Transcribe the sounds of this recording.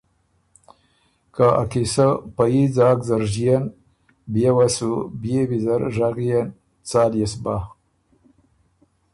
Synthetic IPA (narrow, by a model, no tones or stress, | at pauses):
kaa̰kisapajid͡zaːkzaɾʒijen | bjewasubjebizaɾʒaɣjen | t͡saːljesba